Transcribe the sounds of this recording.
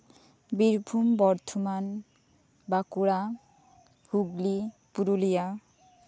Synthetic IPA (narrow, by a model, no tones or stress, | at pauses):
biɾbʱumbɔɾt̪ʰoman | bakuɾa | huɡlipuɾulija